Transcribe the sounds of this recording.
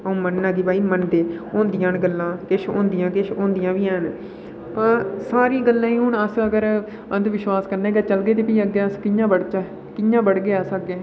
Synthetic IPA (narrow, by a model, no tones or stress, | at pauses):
əõːmənːaɡiːbaːiːmənd̪eːõːnd̪ijãːnɡəlːãːkɪʃõ̰ːnd̪ɪjãːkɪʃʰõːnd̪ɪjãːʋiːɦɛːn | pãːsaːɾĩːɡəlːãːĩːɦʊɳəsəɡəɾ | ənd̪ʋɪʃwaːskəɾneːɡəːt͡ʃəlɡeːt̪̬eːpiːəɡeːəskɪjãːbəɽt͡ʃaː | kɪjãːbəɽɡeːəsəɡeː